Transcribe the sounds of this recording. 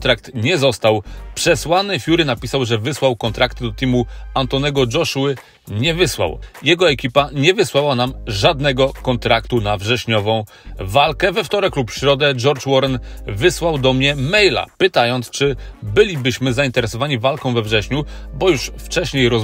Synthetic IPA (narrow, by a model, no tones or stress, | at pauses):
t̪ɾakt̪ɲɛzɔst̪awpʂɛswanɘfʲjuɾɘnapʲisawʐɛvɘswawkɔnt̪ɾʔakt̪ɘd̪ɔt̪imuant̪ɔnɛɡɔd͡ʐɔʂwɘ | ɲɛvɘswa̰wjɛɡɔɛkʲipaɲɛvɘswawanamʐad̪nɛɡɔkɔnt̪ɾakt̪unavʐɛɕɲɔvɔ̃w̃ | valkɛvɛft̪ɔɾɛklupɕɾɔd̪ɛd͡ʐɔɾt͡ʂwɔɾɛnvɘswawd̪ɔmɲɛmɛjla̰pɘt̪ajɔnt̪st͡ʂɘbɘlʲibɘɕmɘzaint̪ɛɾɛsɔvaɲivalkɔ̃w̃vɛvʐɛɕɲubɔjuʂft͡ʂɛɕɲejɾɔ